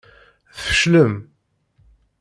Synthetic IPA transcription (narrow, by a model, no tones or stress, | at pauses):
θfə̥ʃləm